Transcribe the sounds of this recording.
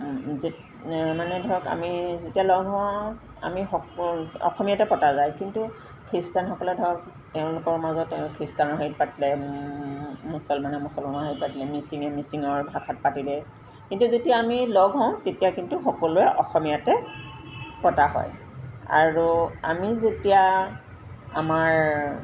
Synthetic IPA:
z | manɛdʱɔɹɔka̰mizetijalɔɡʱɦɔ | a̰mixɔɔ̰xɔmijatɛpɔtazajkintu | kʰɹistanxɔkɔlɛdʱɔɹɔk̚ | tɛʊ̃lʊkɔɹmazɔtkʰɹistanɔɦoit̚patilɛ | musɔlmanɛmusɔlmɔnɔɦoit̚patilɛmisiŋɛmisiŋɔɹbʱakʰat̚patilɛ | kintuzetijaːmilɔɡʱɦɔ̃ʊ̃tetijakintuxɔkɔlʊɛʔɔxɔmijatɛ | pɔtaɦɔ̰j | a̰ɹua̰mizetija | a̰maɹ

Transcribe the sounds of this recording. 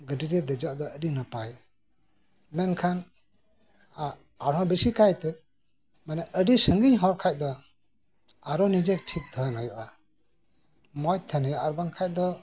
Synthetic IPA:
ɡəɖiɾɛd̪ɛd͡ʒɔaʔd̪ɔəɖinapaj | mɛnkʰan | a | aɾɦɔ̃bisikʰajt̪ɛ | manɛʔəɖisəŋɡiɲɦɔɾkʰac̚d̪ɔ | aɾɔnid͡ʒɛk̚ʈʰik̚t̪ʰənɔjɔʔa | mɔj̚t̪ʰənəjɔʔaɾbaŋkʰac̚d̪ɔ

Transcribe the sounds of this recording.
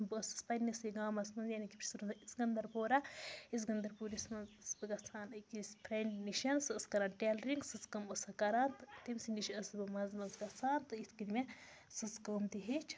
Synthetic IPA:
bɨɐsɨ̥spɐnɐsiɡaːmɐsmɐnzjanikipt͡ʃʰsuɾɐisɡɐnd̪ɐɾpoːɾɐis̬ɡɐnd̪ɐɾpuɾismɐnzsbɨɡɐsaːnɐkispʰɾeɳɖniʃɐnsɨɐskɐɾaːnʈeːlɐɾiŋɡsɨt͡skɐmɐsɐkɐɾaːnt̪ɨt̪emsiniʃiɐsbɨmɐnzmɐzɡɐt͡saːnt̪ɨit̪ʰkid̪mʲe | sɨskəːmt̪iɦet͡ʃʰ

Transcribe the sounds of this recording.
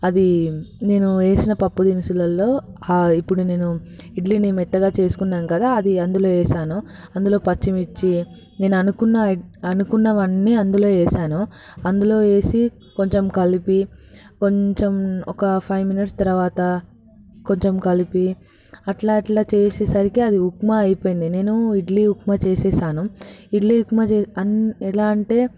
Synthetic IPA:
ɐd̪ine̞ːnue̞ːsinɐpɐpːud̪inisulɐlːo̞ːaːipːuɽune̞ːnu | iɖlinimɛt̪ːɐɡaːt͡ʃe̞ːsu̥kunːaːnukɐd̪aːɐd̪iɐnd̪ulo̞ːɛːsaːnu | ɐnd̪ulo̞ːpɐt͡ʃːimit͡ʃːi | ne̞ːnuɐnukunːɐɐnukunːɐʋɐɳːiɐnd̪ulo̞ːɛːsaːnu | ɐnd̪ulo̞ːe̞ːsi | ko̞ɲt͡ʃemkɐlipiko̞ɲt͡ʃemɔkɐpʰɐjʋminiʈst̪ɐɾɐʋaːt̪ɐ | ko̞ɲt͡ʃemkɐlipi | ɐʈlaːʈilaːt͡ʃeːseːsɐɾikiɐd̪iɦukmaːjpo̞ːjind̪ine̞ːnuiɖliukmat͡ʃeːsɛːsaːnuiɖliɦukmaːt͡ʃeɐɛlaːɐɳʈe̞ː

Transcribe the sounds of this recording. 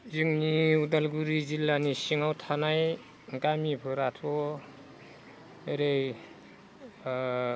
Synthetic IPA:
ziŋniunalɡuɾizilːanisiŋawtʰanaj | ɡamipʰɯɾatʰɔ | eɾej

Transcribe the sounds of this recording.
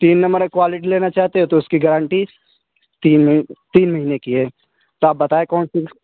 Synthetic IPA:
t̪iːnːɐ̃mbəɾkwaːlɪʈileːnat͡ʃaːɦt̪eɦẽt̪oʊskiɡɛɾãːɳʈi | t̪iːt̪iːnmɐɦiːnekiɦɛː | t̪oaːp̚bɐt̪aːekɔːnsiː

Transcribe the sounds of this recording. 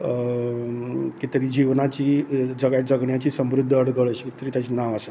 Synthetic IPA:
kit̪əɾiːd͡ʑiʋnat͡ɕiːd͡zəɡad͡zəɡɳjat͡ɕiːsəmɾud̪ʱːəəɽɡəɭəɕit̪əɾiːt̪jat͡ɕiːnaʋasə

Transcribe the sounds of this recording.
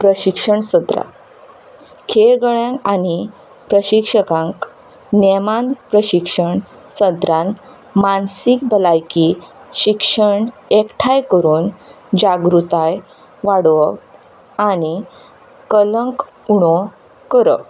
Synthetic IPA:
pɾəɕikʂəɳsəd̪ɾa̰ | kʰeɭɡəɭãŋkani | pɾəɕikʂəkãŋk | nemãnd̪pɾəɕikʂəɳ | səd̪ɾãn | mansik̚bəlajkiɕikʂəɳekʈʰajkəɾuːn | d͡ʑaɡɾut̪aj | ʋaɽʋə | ani | kələŋk | uɳɔ | kəɾə̰

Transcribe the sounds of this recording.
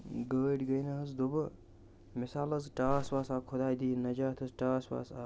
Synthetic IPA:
ɡəɖʲɡəjnɐɦəzd̪obə | misaːlɐzʈaːswaːsaːkʰod̪aːjd̪iːnɐd͡ʒaːt̪ʰɐzʈaːswa̰ːsa

